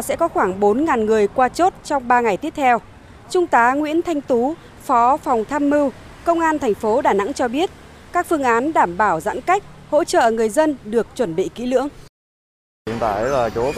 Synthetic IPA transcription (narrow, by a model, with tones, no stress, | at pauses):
sɛ̰˧˥kɔ˨˦xwaː˧˩ŋɓo˨˦nŋaː˨˩nŋɨ˨˩əjkwaː˧t͡ɕo˦˥t̚t͡ɕɔ˧wŋ͡mɓaː˧ŋa˨˩jt̪i˦˥əp̚t̪ʰɛ˧w | t͡ɕʊ˧ŋ͡mt̪aː˨˦ŋwḭ˧˥ənt̪ʰa˧jŋ̟t̪u˨˦ | fɔ˨˦fa˨˩wŋ͡mt̪ʰaː˧mːɨ˧w | kə˧wŋ͡mʔaː˧nt̪ʰɛ˨˩jŋ̟fo˨˦ɗaː˧˩na̰˧˥ŋt͡ɕɔ˧ɓi˦˥ət̚kaː˦˥k̚fɨ˧əŋʔaː˨˦nɗaː˧˩mɓaː˧˩wza̰ː˧˥nka˦˥jk̟̚ho̰˧˥t͡ɕə̰ː˧˨ŋɨ˨˩əjzə˧nɗɨ˨˩ək̚t͡ɕwə˧˩nɓḭ˧˨kḭ˨˦lɨ̰˧˥əŋ | i˨˦t̪aː˧˩˦laː˨˩t͡ɕo˨˦